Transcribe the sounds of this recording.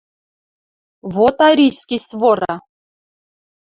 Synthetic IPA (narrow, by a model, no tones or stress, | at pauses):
vot̪aɾʲisʲkʲisvoɾɑ